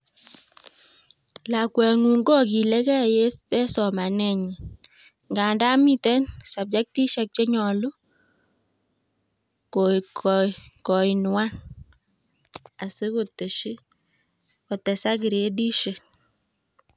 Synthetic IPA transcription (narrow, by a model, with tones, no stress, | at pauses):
la˨kwɛ˨ŋu˨ŋɡɔ˦ki˨lɛ˦kɛ˦˨je˦tɛ˦sɔ˨ma˨nɛ˦˨ɲi˨ | ŋɡa˨nda˦mi˦tɛ˦nsa˨b̚d͡ʒa˦k̚ti˦ʃɛ˨k̚t͡ʃe˦ɲɔ˨lʊ˦ | ko˨ | kɔ˨i˨nwa˦n | a˨se˦ko˦te˨ʃi˦ | kɔ˨tɛ˨sa˦kɪ˨ɾe˨˦di˦ʃe˨